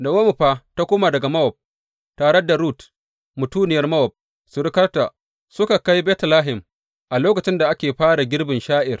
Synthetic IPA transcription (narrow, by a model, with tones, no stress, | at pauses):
da˨wɐ˦mu˨ɸaː˦ta˦kʷoː˦ma˨dɐ˨ɡa˨mɐ˦wɔ˨b̚ | taː˨ɽɛ˦da˨ɾuː˦t | mʊ˨tuː˦nɪ˨jɐ˦rmɐ˦wɔ˨b̚ | sʊ˨ɾɪ˦kɐ˦rta˨ | sʊ˦ka˨ka˦jbɛː˦tlaː˦ɦɪ˨m | ʔa˨loː˦kɐ˨t͡ʃɪ˦nda˨ʔa˦kʲeː˨ɸaː˦ɽa˨ɡʲɪ˦rbɪ˨nʃaː˦ʔɪ˨r